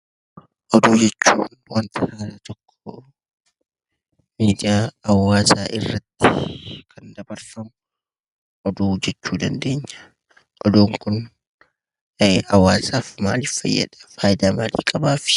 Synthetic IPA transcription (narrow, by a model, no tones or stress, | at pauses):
ʔɔd̪uːd͡ʒɛt͡ʃːuːnwɐnt̪ʰɐhaːɾɐt̪ɔkːɔ | miːd̪ɪjaːwːaːsaːʔɪrːɐt̪ːɪkʰɐnd̪ɐbɐɾfɐmʊ | ʔɔd̪uːd͡ʒɛt͡ʃːuːd̪ɐnd̪e̞ːɲːɐ̥ | ʔɔd̪oːŋkʊn | ɐwːaːsaːfma̰ːlɪffɐ̰jːɐ̰ᶑɐ̥faːjɪd̪aːmaːlḭːkʼɐbaːfɪ̥